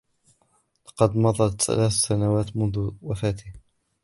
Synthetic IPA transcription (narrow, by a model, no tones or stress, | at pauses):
lɑqɑd̪mɑðˤɑt̪θa̰laːθsanawaːt̪mʊnðʊwafaːt̪ɪh